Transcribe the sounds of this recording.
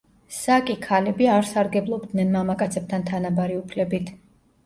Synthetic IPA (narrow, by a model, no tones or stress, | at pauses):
sakʼikʰalɛbiaɾsaɾɡɛblˠɔbd̪nɛnmamakʼat̪sʰɛp̚t̪ʰant̪ʰanabaɾiupʰlɛbit̪ʰ